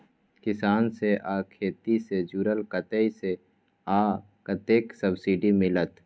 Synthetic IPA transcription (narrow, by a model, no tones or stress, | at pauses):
kɪsaːnseʔakʰeːt̪ised͡ʒuːɾəlkət̪əise | a | kət̪eːksəbsiɖimɪlət̪